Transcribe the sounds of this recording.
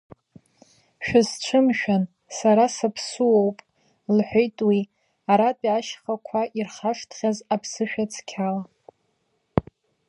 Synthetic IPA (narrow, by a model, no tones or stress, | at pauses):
ʃᶣazt͡ʃʷʰɨmʃᶣan | saɾasapʰsuowpʼ | lħʷᶣejtʼwi | aɾatʼiaʃχakʷʰaʔirχaʂtʰχʲazapʰsɨʃᶣat͡sʰʼkʲʰala